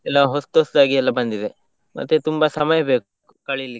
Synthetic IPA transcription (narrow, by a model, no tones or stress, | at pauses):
ɛlːɐɦost̪ɦosd̪aːɡiɛlːɐbɐnd̪id̪e | mʔɐ̰t̪ːet̪umbɐsɐmɐjɐbeːk̚uukɐɭili